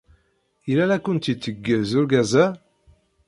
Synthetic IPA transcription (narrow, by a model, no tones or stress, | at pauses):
ilælækʷːʊnt̪it͡sːəɡːəðzʊɾɡæzæ